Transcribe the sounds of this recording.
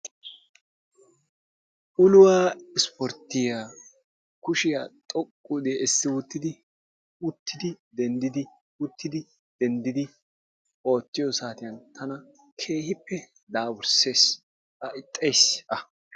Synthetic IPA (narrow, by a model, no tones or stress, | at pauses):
ʔʊlʊwaːɪspɔɾt̪ːɪjaː | kʊʃɪjaːt̪ʼɔkʼːud̪eːʔɪsːɪwʊt̪ːɪd̪ɪ | ʊt̪ʰːɪd̪ɪd̪ɛnd̪ɪd̪ɪ | ʊt̪ːɪd̪ɪ | d̪̥ɛnd̪ɪd̪ɪ | ʔo̞ːt̪ːɪjɔsaːt̪ɪjɐnt̪ʰɐnɐ | kʰe̞ːhɪpːɛ | d̪aːwʊɾse̞ːs | ʔɐʔɪt̪ʼːejsʔɐ